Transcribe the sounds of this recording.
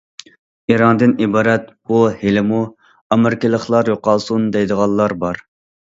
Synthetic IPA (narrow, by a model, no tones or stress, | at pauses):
iɾɑnd̪ɨnibɑːɾɛt̪buhelɪmu | ɑmɪɾkʲɪlˠəχlˠɑɾjoqɑlˠsund̪ɛjd̪əʁɑlˠːɑɾbɑɾ